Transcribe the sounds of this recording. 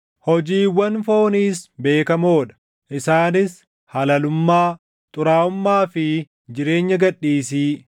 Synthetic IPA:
hɔd͡ʒiːwɐnfo̞ːniːsbe̞ːkɐmoːᶑɐ̥ | ʔɪsaːnɪs | hɐlɐlʊmːaː | t̪ʼʊɾaːʊmːaːfɪ | d͡ʒɪɾe̞ːɲːɐɡɐᶑːiːsiː

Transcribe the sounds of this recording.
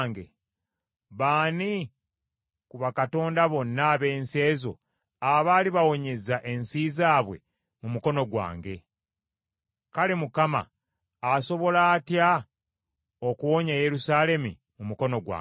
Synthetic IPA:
ŋɡe | βaːni | kuβakato̞ːndaβo̞nːaβe̞ːnse̞ːzo̞̰ | aβaːliβawo̞ɲe̞zaʔe̞nsiːzaːβwe̞̰ | mumuko̞no̞ɡwa̰ːŋɡe̞ | kale̞mukama̰ː | so̞βo̞laːtja | okuwo̞ɲaje̞ɾusaːle̞mi | mumuko̞no̞ɡwa̰

